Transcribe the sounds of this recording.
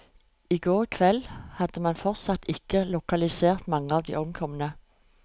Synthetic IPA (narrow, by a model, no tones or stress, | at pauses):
ɪɡoːʁkʰʋɛlhɑd̪̥əmɑnfɔʁt̪sɑt̪ɪkəlʊkɑlɪseːʁt̪mɑŋːəɑːʋd̪ḭːʔɔmkʰɔmənə